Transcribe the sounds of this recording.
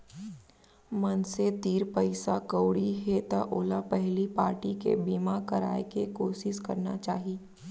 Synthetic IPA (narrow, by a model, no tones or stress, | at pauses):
mɐnset̪iːɾpəɪsakəːɽiɦet̪aʔoːlapɛɦlipaːɾʈikḛbiːmakɐɾaːekekoːʃɪʃkɐ̰ɾna̰t͡ʃaːɦiː